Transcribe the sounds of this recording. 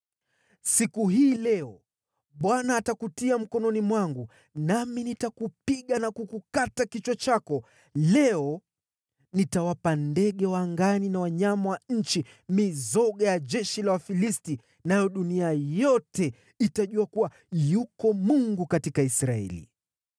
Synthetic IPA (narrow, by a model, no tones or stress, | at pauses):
sikuɦiːlɛɔ | ɓwanaːtakutiam̩kɔnɔnimwaŋɡu | naminitakupiɠanakukukatakit͡ʃwɔt͡ʃakɔ | lɛɔ | nitawapandɛɠɛwaŋɡaninawaɲamawaɲ̩t͡ʃi | mizɔɠajaʄɛʃilawafilisti | najɔɗuniajɔtɛ | itaʄuakuwa | jukɔmuŋɡukatikaisɾaɛ̰lḭ